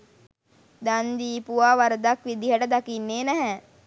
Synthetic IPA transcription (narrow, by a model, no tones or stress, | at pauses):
d̪and̪iːpuʋaːʋaɾəd̪akʋid̪iɦəʈəd̪akinːeːnɛɦɛ